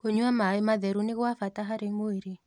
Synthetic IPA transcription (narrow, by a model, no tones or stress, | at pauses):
koɲuamaɛmad̪eɾunɪkwafat̪aɦaɾeŋoiɾi